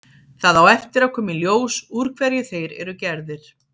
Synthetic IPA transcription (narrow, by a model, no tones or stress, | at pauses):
θaðawɛft̪ɪɾawkʰɔːmɪljoːwsuɾ̥kʰvɛɾjʏθejɾɛ̰ɾʏcɛɾðɪɾ̥